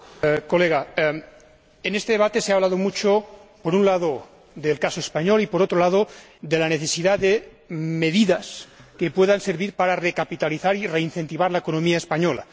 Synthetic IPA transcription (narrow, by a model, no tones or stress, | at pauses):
koleɣa | enest̪eðe̞βat̪eseaβlað̞omut͡ʃopoɾunlaðo | ðelkasoespaɲolipoɾot̪ɾolað̞o | ðelaneθesiðaðe | meðiðaskepweðanseɾβiɾpaɾarekapit̪aliθaɾireinθent̪iβaɾlaekonõmiaespaɲola̰